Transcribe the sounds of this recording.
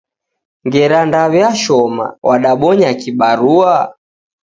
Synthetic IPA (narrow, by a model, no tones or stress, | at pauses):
ŋɡɛɾandaβɛaʃɔma̰wʔaɗaɓɔɲakiɓaɾua